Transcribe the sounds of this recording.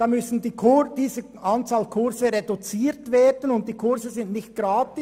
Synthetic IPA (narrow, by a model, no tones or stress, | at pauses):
d̥ɑːmʏsn̩diːkʰʊd̥iːzə | ʔɑnt͡saːlkʰʊɾzəʁedut͡siːtveːdənʊnt̚d̥iːkʰʊɾzəzɪndnɪçt̚ɡ̥ʁaːtɪ